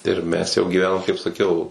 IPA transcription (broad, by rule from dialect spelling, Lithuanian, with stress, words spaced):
ɪr ˈmʲɛs jɛʊ ɡʲiːˈʋʲæːnoːm kɐɪp sɐˈkʲɛʊ